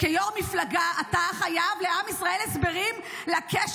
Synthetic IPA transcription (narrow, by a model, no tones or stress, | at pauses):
kejoʁmiflaɡaataχajavleamisʁaʔe̞lesbe̞ʁim | lakeʃ